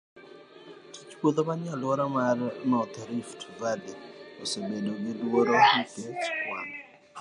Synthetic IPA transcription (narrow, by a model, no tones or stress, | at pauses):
tit͡ʃpwod̪obanɪalɔɾamarnɔt̪ɾiftvaliosebedoɡɪdwoɾohit̪et͡ʃkwan